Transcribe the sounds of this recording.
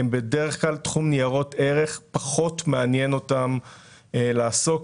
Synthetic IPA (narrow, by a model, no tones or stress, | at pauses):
mbedeʁeχklaltχumnijaʁo̞teʁe̞χpaχo̞tmeanje̞no̞tam | laːso̞k